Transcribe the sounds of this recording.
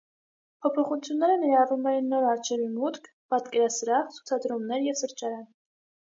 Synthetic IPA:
pʰɔpʰɔχut͡sʰjunːɛɾənɛɾɑrumɛjinːɔɾɑɾt͡ʃʰɛvimut̪kʰ | pɑt̪kɛɾɑsəɾɑʁt͡sʰu̥t͡sʰɑd̪ɾumnɛɾjɛvsəɾt͡ʃɑɾɑn

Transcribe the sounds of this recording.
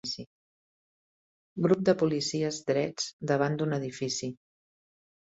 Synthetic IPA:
si | ɡɾup̚d̪əpulisiəzd̪ɾɛd͡zd̪əβ̞and̪unəðifisi

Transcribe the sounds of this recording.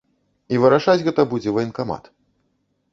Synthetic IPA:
ivɨɾaʂad͡zʲɣɛt̪ɐbud͡zʲɛvɐinkama̰t̪

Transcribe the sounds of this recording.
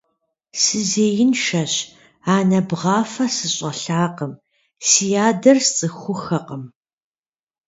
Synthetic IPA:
sɨzeːjɪnʃɐɕ | aːnɐbʁɑːfɐsɨɕʼɐɬaːqəm | sijaːdɐrst͡sʼɨxʷʊxɐqəm

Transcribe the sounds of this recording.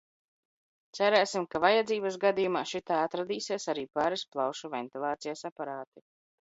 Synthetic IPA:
t̪sæɾɛːsimkavajad̪ziːbas̬ɡad̪iːjumaːʃit̪aːat̪ɾad̪iːsiɛsaɾiːpaːɾisplˠawʃuvɛnt̪ilˠaːt̪sijasapaɾaːt̪i

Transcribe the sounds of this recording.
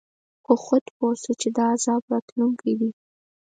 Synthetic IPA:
xoxʊt̪posot͡ʃed̪ɑːzɑbɾɑt̪luŋkʰajd̪i

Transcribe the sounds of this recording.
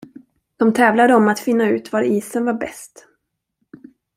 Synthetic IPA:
d̪̥ɔmt̪ʰɛːvlad̪əɔmat̪fɪn̪ːaʉ̟ːt̪vaɾiːsənvaɾbɛst̪

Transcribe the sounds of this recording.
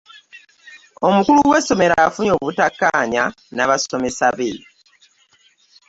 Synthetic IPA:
o̞mukuluɡwe̞so̞me̞ɾafuɲo̞ːβutakːaːɲa | naβaso̞me̞saβe

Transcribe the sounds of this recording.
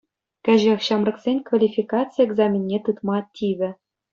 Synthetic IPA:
kʲæ̆ʑexɕɑmrɤ̆ksʲenʲkvalʲifʲikɑt͡sɨjeɡzɑmʲinʲːet̪ɯt̪mɑtʲiʋʲɘ̆

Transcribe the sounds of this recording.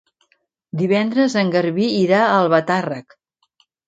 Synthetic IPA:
d̪iβɛnd̪ɾəzəŋɡəɾβiːɾaəlˠβət̪arək

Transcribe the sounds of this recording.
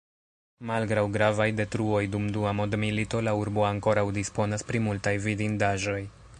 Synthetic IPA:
malɡɾawɡɾavajde̞tɾuo̞jdumduamo̞dmilito̞lauɾbo̞aŋko̞ɾawdispo̞naspɾimultajvidindaʒo̞j

